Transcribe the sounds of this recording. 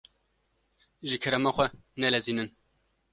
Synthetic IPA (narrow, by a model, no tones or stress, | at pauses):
ʒɨkʰɨɾɛmɑxʷɛnɛlɛziːnɨn